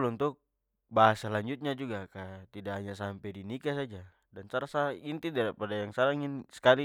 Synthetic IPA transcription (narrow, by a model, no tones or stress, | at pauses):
lɔnt̪uk̚ | baɦasalaɲd͡ʒut̪̚ɲad͡ʒuɡakat̪idaɦaɲas̬ampɛdinikasad͡ʒa | dansaɾasaint̪idaɾipadajaŋsaɾaŋinsɛ̥kali